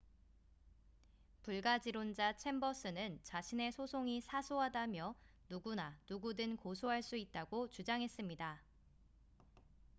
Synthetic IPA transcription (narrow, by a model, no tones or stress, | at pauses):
puɭɡad͡ʑiɾond͡ʑat͡ɕʰe̞mbʌs͈ʰɯnɯnt͡ɕaɕʰine̞sʰosʰoŋisʰasʰoɦadamjʌ | nuɡunanuɡudɯnkosʰoɦaɭs͈uit̚t͈aɡot͡ɕud͡ʑaŋɦe̞s͈ɯmɲida